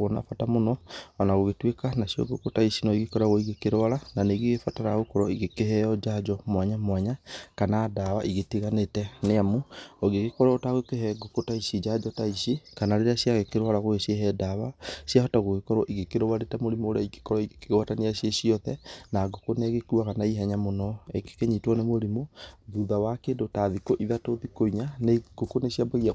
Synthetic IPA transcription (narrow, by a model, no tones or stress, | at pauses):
ɣona̰fatamonɔanaɣoɣetwekanasjɔ̰ɡokotaisinɔiɣikɔɾaɣoiɣekeɾowaɾananeɣeɣefataɾaɣokɔɾɔiɣekeɦɛɔd͡ʒad͡ʒɔmwaɲamwaɲakanaːdawa̰ʔiɣetiɣanetɛneamuɔɣeɣekɔɾɔotaɣokeɦɛɡokotaisid͡ʒad͡ʒɔtaisikanaɾeɾeasjaɣekeɾoaɾaɣoeseɦɛdawasjahɔtaɣoɣekɔɾwɔʔiɣekeɾowaɾetamoɾimoɾeaike̥kɔɾɔiekeɣwataneasjesiɔðɛnaɡokonɛɣekuakanaiɦɛɲamonɔeke̥keɲitwɔnemoɾimoðuðawakedotaðikoʔiðatoðikoiɲaneɡ̥okonesjabaɣia